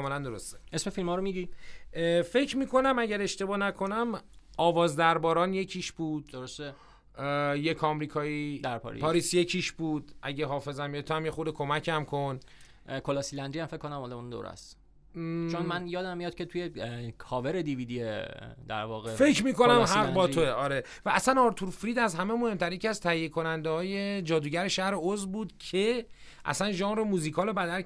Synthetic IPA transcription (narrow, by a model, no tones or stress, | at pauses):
melænd̪oɾo̞st̪eʔesme̞filmɒːɾomiɟi | fe̞cʰmiːkʰo̞næmæɟæɾe̞ʃt̪e̞bɒːnækʰo̞næmɒːvɒːzd̪æɾbɒːɾɒːnje̞cʰiʃbuːd̪̥d̪oɾost̪e | jecʰɒːmɾiːkʰɒːid̪æɾpʰɒ̰ɾḭpʰɒːɾiːsje̞cʰiʃbuːd̪̥ʔæɟeɦɒːfe̞zæmjet̪ʰːoæmjexod̪ekʰo̞mæcʰæmkʰon | kʰolɒsilænd̪ijæmfekʰːonæmɒːd̪æmund̪o̰ːɾæ̰s | t͡ʃʰonmænjɒːd̪æmːijɒːd̪̚cʰet̪ʰujekʰɒːveɾed̪iviːd̪ied̪æ̰ɾvɒːɣefe̞cʰmiːko̞næmmɦæʁbɒːt̪ʰoeɒːɾe̞ | væːsænɒɾt̪ʰuɾfɾiːd̪æzɦæmemo̞he̞mt̪ʰæɾjecʰʲiæzt̪ʰæhijːekʰo̞nænd̪ehɒːje̞d͡ʒɒːd̪uːɟæɾe̞ʃæhɾe̞ozbuːd̪̥cʰe̞ | ʔæ̰sænʒɒːŋɾomuːzikʰɒːle̞bæd̪æɾ